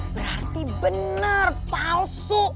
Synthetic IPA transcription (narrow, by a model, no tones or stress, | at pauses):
bəɾart̪ibənnərpalsʊʔ